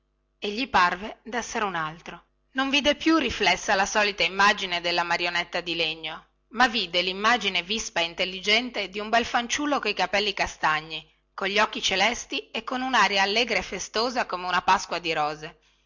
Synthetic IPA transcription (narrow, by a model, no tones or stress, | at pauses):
eʎːiparved̪ɛsːeɾeunalt̪ɾo | noɱviːd̪epjurːiflɛsːalasɔːlit̪aimːad͡ʒined̪elːamaɾjonɛt̪ːad̪ileɲːo | mavːiːd̪elimːad͡ʒinevispaeint̪elːid͡ʒɛnt̪ed̪iumbɛlfant͡ʃulːokojkapɛlːikast̪aɲːi | koʎːiɔkːit͡ʃelɛst̪iekːonunaːɾjaːlːeːɡɾaefːest̪oːzakomeunapaskwad̪iɾɔːze